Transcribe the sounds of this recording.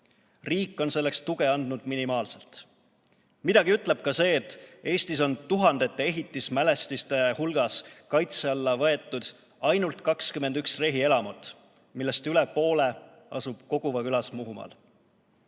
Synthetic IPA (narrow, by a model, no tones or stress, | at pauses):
riːkːˑo̞nse̞lːekst̪uɡ̥e̞ɑnd̪̥nud̪̥minimɑːlse̞lt̪ | mid̪ɑɡiyt̪ˑle̞b̥̚kɑse̞ːt̪ːˑe̞ːst̪iso̞nt̪uɦɑnd̪̥e̞t̪ːˑee̞ɦit̪ːˑismæle̞st̪ist̪e̞hulɡ̥ɑskɑjt̪seɑlːɑvɤe̞t̪ːˑud̪̥ | ɑjnult̪kɑkskyme̞nd̪̥yksre̞ɦie̞lɑmot̪ːˑ | milːe̞st̪yle̞po̞ːle̞ | ɑ̰sub̥ko̞ɡ̥uvɑkylɑsmuɦumɑ̰l